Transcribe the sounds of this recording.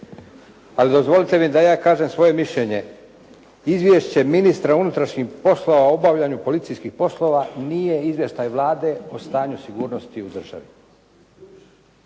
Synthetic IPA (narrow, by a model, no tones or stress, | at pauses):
alid̪o̞zʋo̞lit̪e̞mid̪ajaːkaːʒemsʋo̞je̞miʃʎe̞ɲe̞ | izʋjeʃt͡ɕe̞minist̪ɾaunut̪ɾaʃɲixpo̞slˠo̞ʋaoobaʋʎaɲupo̞lit̪sijskixpo̞slˠo̞ːʋanije̞izʋje̞ʃt̪ajʋlaːd̪e̞ost̪aːɲusiɡuːɾnost̪iud̪r̩ʒ̥a̰ʋi